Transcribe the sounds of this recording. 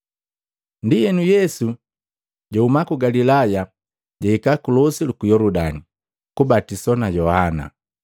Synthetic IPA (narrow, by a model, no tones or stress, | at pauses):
ndijɛnujɛsu | ɟɔumakuɡalilaja | ɟaikakulɔsilukujɔludani | kubatisɔnajɔhana̰